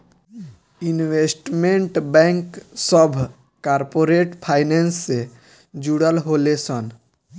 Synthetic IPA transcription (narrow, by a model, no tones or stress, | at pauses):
inwesʈmẽɳʈbɛ̃ŋksəbʱ | kaːɾpoːɾeʈpʰaːɪnensːe | d͡ʒuɽəlɦolesən